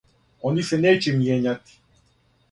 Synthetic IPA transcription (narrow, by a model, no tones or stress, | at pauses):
ɔniʃɛnɛt͡ʃɛmjɛɲʲat̪i̥